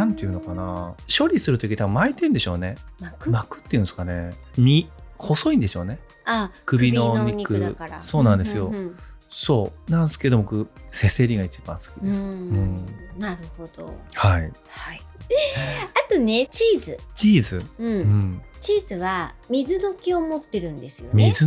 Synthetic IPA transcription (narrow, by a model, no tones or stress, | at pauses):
nãnt̪ejɯ̟̃no̞kanaɕo̞ɾʲisɨɾɯt̪o̞kʲit̪abɯmait̪ẽ̞nd̪e̞ɕo̞̰ːne̞makmakɯ̟̥t̪ːeiɯ̟nsɨ̥kane̞mʲiho̞so̞ĩnd̪e̞ɕo̞ːne̞ | akɯbʲinoɲʲikɯkaɾaso̞ːnãnd̪e̞sɨjo̞so̞ːnãnesɨ̥ke̞d̪o̞mokɯ̟se̞se̞ɾʲiɡait͡ɕib̥ã̰ɰ̃sɨ̥kʲid̪esɨɯ̃ɴnaɾɯ̟ho̞d̪̥o̞̰hai | hai | at̪o̞ne̞t͡ɕiːzɨt͡ɕiːzɨɯ̃ɴɯ̃ɴt͡ɕiːzɨβamʲizɨd̪o̞kʲio̞mo̞t̪ːe̞ɾɯ̟̃nd̪e̞sɨ̥jo̞mʲizɨ